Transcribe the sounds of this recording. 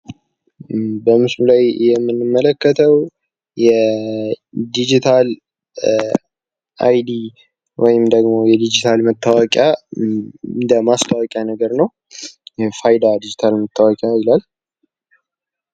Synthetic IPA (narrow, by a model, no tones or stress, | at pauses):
bəmɨslulajjɛmːɨnːɨmːələkːət̪ʰəw | jɛ | d̪id͡ʒit̪ʰal | ʔa̰jd̪i | wʔɔjɪmd̪əɡmo̞jɛd̪id͡ʒit̪ʰalmət̪ʰːawəkʼja | ɨnd̪əmast̪ʰʼawɔkʼjanəɡəɾnəw | jɛfajd̪ad̪id͡ʒit̪ʰalmət̪ʰːawɔkʼjaɪlal